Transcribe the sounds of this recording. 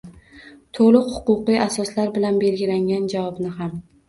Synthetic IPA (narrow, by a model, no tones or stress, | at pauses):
t̪ʰolˠʊqhʊ̥qʊqɨjasɒslaɾbɪlanbe̞lɡʲɪlaŋɡʲand͡ʒavɒbnɪɦam